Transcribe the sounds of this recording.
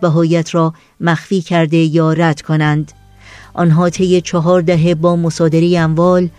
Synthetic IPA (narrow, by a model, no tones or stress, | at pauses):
bæɦɒːjæt̪ʰɾɒː | mæxfiːcʰæɾd̪e̞jɒːɾæd̪̥kʰonænd̪ | ʔɒnɦɒːt̪ʰe̞jːet͡ʃʰɒɦɒːɾd̪æɦe̞bɒːmosɒːd̪e̞ɾejeæmvɒːl